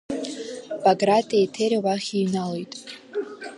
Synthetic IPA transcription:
baɡratʰʼiejtʰeɾawaχʲijnalojtʼ

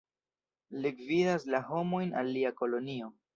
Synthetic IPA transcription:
liɡvidaslaɦo̞mo̞jna̰lːiako̞lo̞nio̞

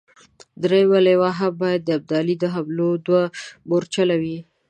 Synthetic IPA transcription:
d̪ɾejwalewaɦabɑjad̪̚ːəab̚d̪ɑlid̪əɦamlod̪waboɾt͡ʃalawi

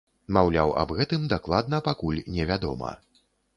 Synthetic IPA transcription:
mawlʲawɐ̰bɣɛt̪ɨmd̪aklˠad̪̚nɐpakulʲnʲɛvʲad̪ɔ̰mɐ̰

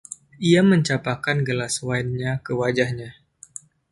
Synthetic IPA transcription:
iaməɲt͡ʃapakanɡəlaswainɲakəwad͡ʒahɲa

